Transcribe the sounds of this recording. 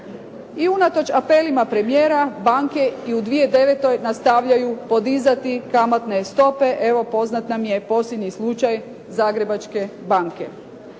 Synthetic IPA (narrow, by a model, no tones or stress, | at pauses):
iunat̪o̞t͡ʃapelimapɾe̞mijeːɾabaŋke̞iud̪ʋije̞d̪e̞ʋe̞t̪o̞jnast̪aʋʎajupo̞d̪izat̪ikamat̪ne̞st̪o̞pe̞ʔe̞ʋo̞po̞znat̪namje̞po̞slʲjed̪ɲislˠut͡ʃaj | zaːɡɾe̞bat͡ʃke̞baŋke̞̰